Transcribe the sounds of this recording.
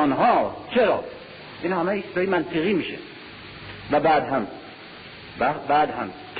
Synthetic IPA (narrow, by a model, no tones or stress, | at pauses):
nɦɒːt͡ʃʰeɾɒ̰ː | iːnhæmeisd̪ɒːjemænt̪ʰeɣiːmiːʃḛ | væbæːd̪ɦæm | bbæːd̪hæm | kʰ